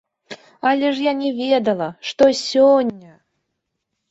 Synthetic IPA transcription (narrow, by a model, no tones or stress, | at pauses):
alʲeʐjanʲevʲed̪əlˠəʂt̪osʲonʲːə